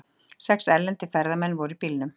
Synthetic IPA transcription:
sɛksɛlːɛnt̪ɪfɛɾðamɛnːvɔɾʏipilnʏm

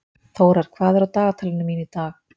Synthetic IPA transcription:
θowɾaɾ̥kʰvaːðɛɾawt̪aːɣat̪ʰaːlɪnʏmiːnit̪aːx

